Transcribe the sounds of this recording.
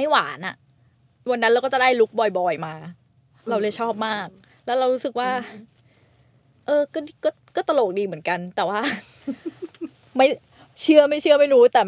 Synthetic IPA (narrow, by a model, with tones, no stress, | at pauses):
ma˥˩jwaː˩˦nʔa̰˨˩ʔ | wa˧nːa˦˥nɾa˧wkɔː˥˩t͡ɕa˨˩da˥˩jlu˦˥k̚bɔː˧jbɔː˧˩jmaː˧ | ɾa˧wlɯ˥˩jt͡ɕʰɔː˥˩p̚maː˥˩k̚ | lɛː˦˥wɾa˧wɾuː˦˥sɯ˨˩k̚waː˥˩ | ʔɤː˧kɔ˥˩kɔː˥˩kɔː˥˩t̪a˧loː˨˩k̚diː˧mɯ˩˦ənka˧nt̪ɛː˨˩waː˥˩ | ma˥˩j | t͡ɕʰɯ˥˩əma˥˩jt͡ɕʰɯ˥˩əma˥˩jɾuː˦˥t̪ɛː˨˩